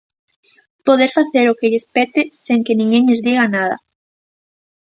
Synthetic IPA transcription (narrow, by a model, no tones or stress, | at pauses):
poðeɾfaθeɾʊkɪʎespɛt̪ɪseŋkenĩŋɡeŋʎezðiɣanaðɐ̰